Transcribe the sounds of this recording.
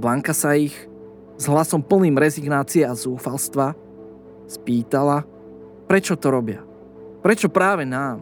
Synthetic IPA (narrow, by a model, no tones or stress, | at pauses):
blaŋkasaix | zɦlasɔmpl̩niːmɾɛziɡnaːt͡siɛazuːfalst̪ʋa | spiːt̪ala | pɾɛt͡ʃɔt̪ɔɾɔbɪa | pɾɛt͡ʃɔpɾaːʋɛnaːm